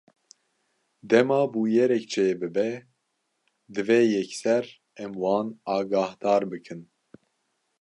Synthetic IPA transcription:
d̪ɛmɑːbuːjɛɾɛkt͡ʃʰeːbɨbɛ | d̪ɨveːjɛksɛɾ | ɛmwɑːnɑːɡɑːhd̪ɑːɾbɨkʰɨn

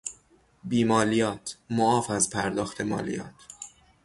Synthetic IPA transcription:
biːmɒːlijɒːt̪ʰmoɒːfæzpʰæɾd̪ɒːxt̪ʰe̞mɒ̰ːlḭjɒ̰ːt̪ʰ

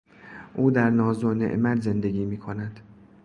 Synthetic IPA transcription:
ʔuːd̪æɾnɒːzonḛʔmæd̪ze̞nd̪e̞ɡʲiːmiːkʰo̞næd̪̥

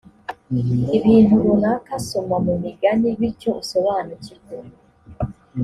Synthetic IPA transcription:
iβiːnuβunakaso̞mamumiɡaniβico̞uso̞βaːnuciɡo

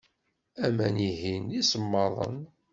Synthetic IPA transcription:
æmæniɦinisəmːɑðˤə̰n

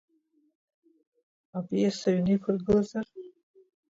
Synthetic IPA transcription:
apʼiesaɥnikʷʰarɡɨlazar

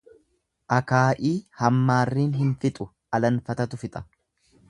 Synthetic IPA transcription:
ʔɐkaːʔiːhɐmːaːrːiːnɦɪnfɪt̪ʼʊ | ʔɐlɐnfɐt̪ɐt̪ʊfɪt̪ʼɐ̥

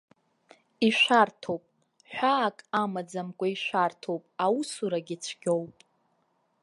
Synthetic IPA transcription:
iʃʷartʰowpʼ | ħᶣʷaːkʼamad͡zamkʷʼaiʃʷartʰowpʼawusuɾaɡʲɪt͡ɕʷʰɡ̥ʲowpʼ

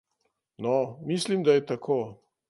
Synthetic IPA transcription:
nɔmislimd̪ajɛt̪akʰoː

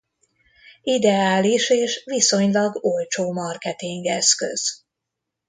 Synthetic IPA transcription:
id̪ɛaːliʃeːʃʋiso̞ɲlɒɡolt͡ʃoːmɒrkɛt̪iŋɡɛskø̰z̥

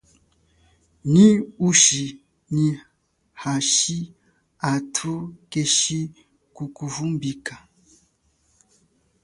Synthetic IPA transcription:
niuʃi | ni | haʃi | atʰukeʃi | kukuvumbika

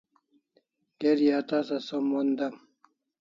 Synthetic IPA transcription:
keɾijat̪asasomond̪am

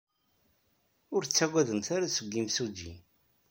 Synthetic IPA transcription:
ʊɾt͡sːæɡæðəmθaɾasəɡʷːimsud͡ʒḭ

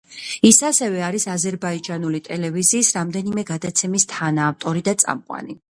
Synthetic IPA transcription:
isasɛvɛaɾisazɛɾbaid͡ʒʼanulit̪ʼɛlɛviziːsɾamd̪ɛnimɛɡad̪at̪sʰɛmist̪ʰanaːft̪ʼɔɾid̪at̪sʼa̰mqʼwa̰ni

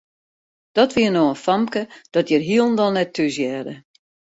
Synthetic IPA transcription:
d̥ɔtʋiənoənfamkəd̥ɔtjərɦiəlˠn̩dɔlˠnɛtʰːysjɛːdə

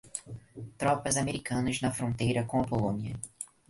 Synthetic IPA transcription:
t̪ɾɔpɐzameɾikɐ̃nɐznɐfɾõnt̪ejɾɐkõɐpolõniɐ

